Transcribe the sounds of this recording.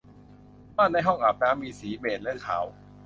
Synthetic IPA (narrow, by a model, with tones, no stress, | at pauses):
maː˥˩na˧jɦɔ˥˩ŋʔaː˨˩p̚lɛː˦˥wmiː˧siː˩˦beː˨˩t̪̚lɛ˧˦˥kʰa̰ː˩˦w